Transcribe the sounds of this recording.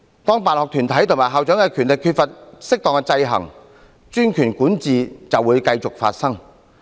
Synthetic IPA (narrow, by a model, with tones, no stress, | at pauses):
t̪ɔː˥ŋpaː˨nhɔː˨k̚t̪ʰyː˨˩nt̪ʰɐ˨˥jt̪ʰo˨˩ŋmaː˨˩ɦaː˨wt͡ʃœː˨˥ŋkɛ˧kʰy˨˩nlɪ˨kʰːyː˧t̚fɐ˨t̚sɪ˥k̚t̪ɔː˨ŋkɛ˧t͡sɐ˧jɦɐ̰˨˩ŋ | t͡ʃyː˥nkʰyː˨˩nkuː˨˥nt͡siː˨t͡sɐ˨wuː˨˧˥jkɐ˧jt͡sʊ˨k̚fa̰ː˧t̚sɐ˥ŋ